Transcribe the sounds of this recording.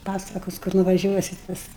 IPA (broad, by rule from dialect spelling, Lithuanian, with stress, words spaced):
ˈpɑːsɐkoːs kʊr nʊʋɐˈʒʲuɔsʲɪt ˈpɐs